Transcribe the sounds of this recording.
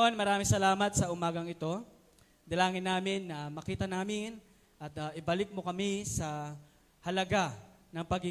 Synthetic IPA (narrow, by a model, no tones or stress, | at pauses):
onmɐɾaːmɪŋsɐlaːmɐt̪̚sɐʔʊmaːɡɐŋɪt̪o̞ | d̪ɐlaːŋɪnːaːmɪnːɐmɐkiːt̪ɐnaːmɪn | ʔɐt̪aʔɪbalɪk̚mo̞kɐmɪsɐ | hɐlɐɡa | nɐŋpɐɡɪ